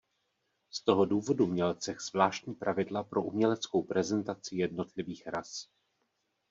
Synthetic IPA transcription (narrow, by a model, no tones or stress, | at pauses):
st̪o̞ɦo̞duːvo̞dumɲɛlt͡sɛxz̥vlaːʃt̪ɲiːpɾʔavɪdlapɾo̞ʔumɲɛlɛt͡sko̞wpɾʔɛzɛnt̪at͡sɪjɛdno̞t̪lɪviːxɾas